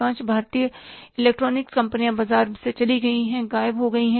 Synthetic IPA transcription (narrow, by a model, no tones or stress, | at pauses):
ãːt͡ʃbʱaːɾt̪ijəɪleːk̚ʈɾoːnɪkskɐ̃mpənijãbɐzaːɾset͡ʃɐliɡɐiɦɛ̃ɡaːɪbɦoɡɐiɦɛ̃